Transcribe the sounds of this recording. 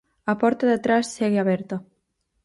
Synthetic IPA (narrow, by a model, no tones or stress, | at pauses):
apɔɾt̪aðet̪ɾasːeɣeaβeɾt̪o